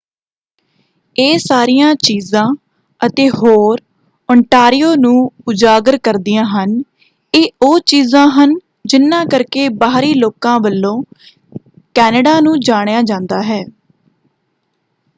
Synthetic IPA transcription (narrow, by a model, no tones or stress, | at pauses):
eːsaːɾijãːt͡ʃiːzãː | ət̪eːɦoːɾ | ɔɳʈaːɾɪjoːnũːʊd͡ʒaːɡəɾkəɾd̪ijãːɦən | eːoːt͡ʃiːzãːɦən | d͡ʒɪnːãːkəɾkeːbaːɾiːloːkãːbəlːõː | kɛːnəɖaːnũːd͡ʒaːɽ̃jaːd͡ʒãːnd̪aːɦɛː